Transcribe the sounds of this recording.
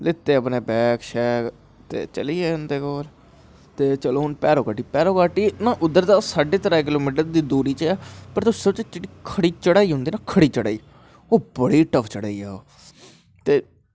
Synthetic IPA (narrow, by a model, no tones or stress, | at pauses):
lɪt̪ːeːəpneːbɛːkʃɛːk | t̪ḛːt͡ʃəliːeːʊnd̪eːkoːl | t̪eːt͡ʃəloːɦʊnpɛːɾoːkaːʈiːpɛːɾoːkaːʈiːnãːʔʊd̪ːəɾd̪aːsaːɖeːt̪əɾaːek̬ɪloːmiːʈ̬əɾd̪iːd̪uːɾiːt͡ʃɛːpəɾt̪ʊsəbt͡ʃːt͡ʃʈikʰəɽiːt͡ʃəɽaːiːɦʊ̃nd̪iːnaːkʰəɽiːt͡ʃəɽa̰ːiː | oːbəɽiːʈəpʰt͡ʃəɽaːiːɛːoː | t̪eː